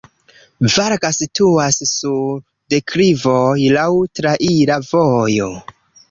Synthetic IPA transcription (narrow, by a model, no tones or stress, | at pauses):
vaɾɡasituasːu | dekʰɾivojlawtɾaʔiɾavojo̞